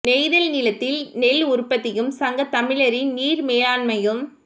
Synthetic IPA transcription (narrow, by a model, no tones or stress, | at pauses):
nɛɪðɐlnɪlɐt̪ːɪlnɛlːʊɾpːɐt̪ːɪjɯmsɐŋɡɐt̪ːɐmɪlɐɾɪniːɾmeːlaːnmɐjɯm